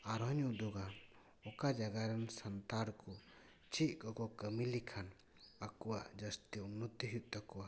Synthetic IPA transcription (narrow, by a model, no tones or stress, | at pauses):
aɾɔɲd̪ɔɡa | ɔkad͡ʒaɡaɾansant̪aɾkɔ | t͡ʃiʔ̚ˀkɔkɔkəmilikʰan | akɔwad͡ʒəst̪iunːut̪iɦiʔ̚t̪akɔwa